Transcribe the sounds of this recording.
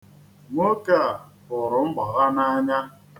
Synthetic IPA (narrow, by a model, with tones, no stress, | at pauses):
ŋo˦ka˦˨a˨ | ʊ˨ɾʊ˨m̩˦bɔ˨ɣa˦na˦ɲa˦